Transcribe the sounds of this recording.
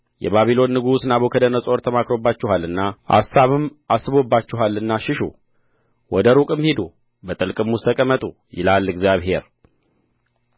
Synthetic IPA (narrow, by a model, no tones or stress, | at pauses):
jɛ̰βaβilo̞nːɨɡusnaβokʰəd̪ənəsʼo̞ɾt̪ʰəmakɾo̞bːat͡ʃːɪɦalɨnːaʔa̰sːaβɨmasɨβo̞bːat͡ʃːɪɦalɨnːaʃɪʃṵ | wɔd̪əɾukʼɨmhed̪u | bət̪ʼɨlkʼɨmːust̪ʰəkʼəmːət̪ʼu | jɪ̰lalːɨɡzjaβɦe̞̰ɾ